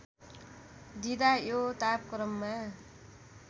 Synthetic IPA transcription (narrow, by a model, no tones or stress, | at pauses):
d̪id̪ajot̪ap̚kɾʌmːa